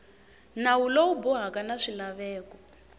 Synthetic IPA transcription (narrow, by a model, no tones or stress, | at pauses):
nawulawubɔɦakanaʂilaβɛːkɔ